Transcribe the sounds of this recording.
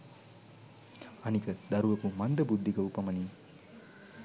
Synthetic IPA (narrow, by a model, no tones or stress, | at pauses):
ɐnikəd̪ɐɾuʋɐkumand̪əbud̪ːiɡəupɐmɐni